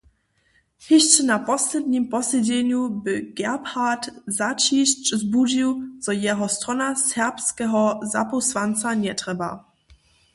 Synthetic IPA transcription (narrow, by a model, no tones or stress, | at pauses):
hɪɕt͡ʃɛnapɔslɛd̪ɲimpɔsɛd͡ʑɛɲubɪɡɛphatzat͡ɕiɕt͡ʃzbud͡ʑiwt͡sɔjɛɦɔst̪ʁɔnasɛʁpskɛɦɔza̰pɔsvant̪t͡saɲɛtʁɛba̰